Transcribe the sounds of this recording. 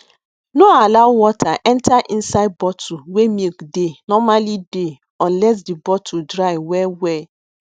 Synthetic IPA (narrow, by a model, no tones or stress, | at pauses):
noalaʊwɔtʰaʔɛ̃ntʰaʔĩn̩saɪd̚bɔtʰuwemikdenɔmalide | ɔ̃nlɛs̬dibɔtʰudɾaɪwɛwɛ